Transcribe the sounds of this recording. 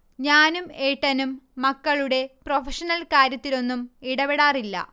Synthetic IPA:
ɲaːnumeːʈːɐnumːɐkːɐɭuɽe̞profɐʂɐnɐlkaːɾjɐt̪ːilo̞nːumiɽɐbeɽaːrilːɐ̰

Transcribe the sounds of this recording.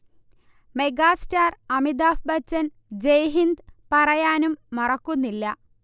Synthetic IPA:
meɡaːstaːrɐmid̪aːfbɐt͡ɕːɐn | d͡ʑejɦind̪pɐrɐjaːnumːɐrɐkːunːilːɐ

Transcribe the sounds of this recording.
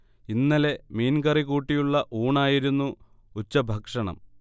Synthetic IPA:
inːɐle̞miːnkɐrikuːʈːijuɭːɐʔuːɳaːjiɾunːu | ut͡ɕːɐbʱɐkʂɐɳɐ̰m

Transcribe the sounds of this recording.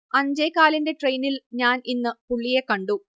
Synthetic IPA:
ɐɲd͡ʑejkaːlinde̞ʈrejnilɲaːninːɨpuɭːije̞kːɐɳɖu

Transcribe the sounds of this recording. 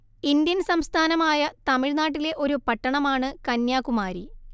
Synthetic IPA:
ind̪jɐnsɐmst̪ʰaːnɐmaːjɐt̪ɐmiɻnaːʈ̬ːile̞ʔo̞ɾupɐʈːɐɳɐmaːɳɨkɐnjaːkumaːɾi

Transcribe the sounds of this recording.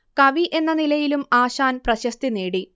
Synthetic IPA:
kɐʋiʔe̞nːɐnilɐjilumaːɕaːnprɐɕɐst̪ineːɽi

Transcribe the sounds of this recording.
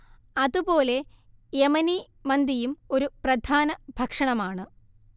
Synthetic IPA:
ɐðupo̞ːle̞ | jemɐni | mɐnd̪ijumo̞ɾuprɐd̪ʱʰaːnɐbʱɐkʂɐɳɐmaːɳɨ

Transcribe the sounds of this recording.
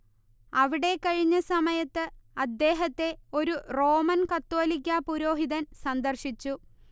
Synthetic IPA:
ɐʋiɽe̞kɐɻiɲːɐsɐmɐjɐt̪ːɨɐd̪ːe̞ːɦɐt̪ːe̞o̞ɾuro̞ːmɐnkɐt̪ːo̞ːlik̬ʲːapuɾo̞ːɦiðɐnsɐnd̪ɐrʂit͡ɕːu

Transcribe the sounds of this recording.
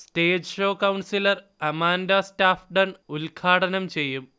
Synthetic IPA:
steːd͡ʑʂoːkɐwɳsilɐr | ɐmaːndaːstaːfɖɐnulkʰaːɽɐnɐmt͡ɕe̞jːum

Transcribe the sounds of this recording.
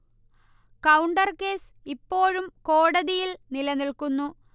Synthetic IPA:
kɐwɳɖɐrke̞ːs | ipːo̞ːɻumko̞ːɽɐðijilnilɐnilkunːu

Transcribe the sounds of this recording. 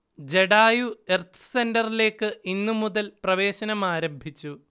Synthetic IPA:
d͡ʑe̞ɽaːjue̞rt̪ɨ̥sendɐrile̞ːkːɨʔinːumuðɐlprɐʋe̞ːɕɐnɐmaːɾɐmbʱit͡ɕːu

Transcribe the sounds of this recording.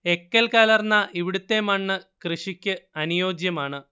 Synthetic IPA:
e̞kːɐlkaːlɐrnːɐʔiʋiɽut̪ːe̞ːmɐɳːɨkrɨʂikʲːɨɐnijo̞ːd͡ʑjɐmaːɳɨ

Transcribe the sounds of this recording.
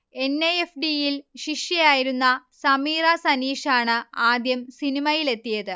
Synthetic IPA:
e̞nːɐjefɖijilɕiʂjɐjaːjiɾunːɐsɐmiːrɐsɐniːʂaːɳɨaːd̪jɐmsinimɐjile̞t̪ːijɐðɨ

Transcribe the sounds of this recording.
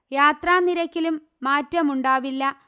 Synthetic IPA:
jaːt̪raːnːiɾɐkʲːilumːaːtːɐmuɳɖaːʋilːɐ

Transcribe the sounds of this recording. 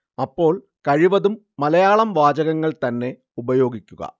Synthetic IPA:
ɐpːo̞ːɭ | kɐɻiʋɐðumːɐlɐjaːɭɐmʋaːd͡ʑɐɣɐŋːɐɭt̪ɐnːe̞ | ubɐjo̞ːɡikʲːuɣɐ̰

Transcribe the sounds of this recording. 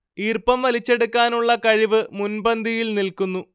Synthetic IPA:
iːrpɐmʋɐlit͡ɕːe̞ɽukːaːnuɭːɐkɐɻiʋɨmunbɐnd̪ʱijilnilkunːu

